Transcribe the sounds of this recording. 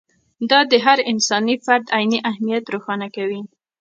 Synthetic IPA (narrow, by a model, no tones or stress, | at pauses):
d̪ɑd̪əɦaɾɪnsɑnifaɾd̪ajniʔahmijat̪ɾoxɑnakawi